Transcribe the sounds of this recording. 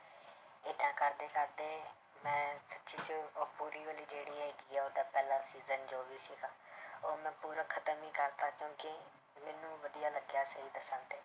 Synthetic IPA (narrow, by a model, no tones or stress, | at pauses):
ɪd̪ãːkəɾd̪eːkəɾd̪eː | mɛ̃ːsətːʃiːt͡ʃəːpuːɾiːʋəːliːd͡ʒeːɽiːɦɛːɡiːɛːoːd̪aːpɛːlaːsiːzənd͡ʒoːʋiːsiːkaːoːɾmɛ̃ːpuːɾəːkʰət̪əmĩːkəɾt̪aːkjõːkɪ | mɛːnũːʋəd̪ijaːləɡjaːsəɦiːd̪əsənt̪eː